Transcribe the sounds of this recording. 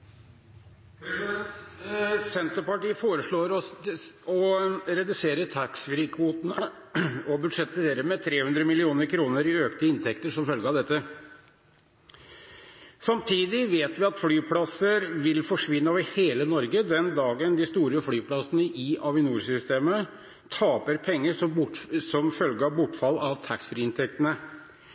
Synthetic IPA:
sɛnt̪əɾpɑʈiːfoːɾəʂɭoːɾɔsɔɾɛd̪ʉseːɾət̪ʰæksʋɪɾɪkʰʋuːt̪ənə | ɔbʉd̪ʂɛt̪ʰeːɾəmɛt̪ʰɾeːhʉnd̪ɾəmɪlɪuːnəɾkʰɾuːnəɾɪøːkt̪əɪnt̪ʰɛkt̪əʂɔmfœlɡəɑʋd̪ɛt̪ːə | sɑmt̪ʰiːd̪ɪʋeːt̪ʋɪɑt̪flyːpʰlɑsəɾʋɪlfɔʂʋɪnːəoːʋəɾheːlənɔɾɡəd̪ɛnd̪ɑːɡənd̪ɪst̪uːɾəflyːpʰlɑsənəʔɪʔɑʋɪnuːɾsʏst̪eːmə | t̪ʰɑːpəɾpʰɛŋːəʂɔʊsɔmfœlɡəɑʋbʊʈːfɑlːɑʋt̪ʰɑksfɾiɪnt̪ʰɛkt̪ənə

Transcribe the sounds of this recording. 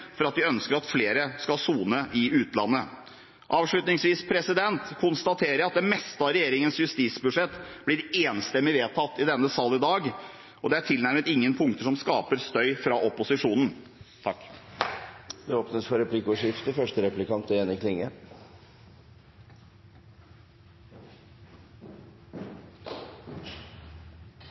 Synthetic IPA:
fɔɾɑt̪̚d̪ɪœnskəɾɑt̪fleːɾəskɑlsuːnəʔɪʉːt̪lɑnːə | ʔɑːʋʂɭʉt̪nɪŋsʋiːspʰɾɛsɪd̪ɛnt̪kʰʊnst̪ɑt̪ʰeːɾəɾɑt̪̚d̪ɛmɛst̪ɑɾɛjeːɾɪŋənsjʉst̪iːt̪sbʉʂɛt̪ːb̥lɪɾeːnst̪ɛmːɪʋeːt̪ʰɑt̪ːɪd̪ɛnːəsɑːlɪd̪ɑːɡ | ʔɔd̪ɛæʈʰɪlnæɾmət̪ɪŋːənpʰʊŋt̪əʂɔmskɑːpəɾst̪œʏfɾɑʔɔpʊsɪʂuːnn̩ | t̪ʰɑkː | d̪ɛoːpnəsfɔɾɛpʰlɪkʊʂɪft̪əfœʂʈəɾɛplɪkɑnt̪ɛɛnɪkʰlɪŋːə

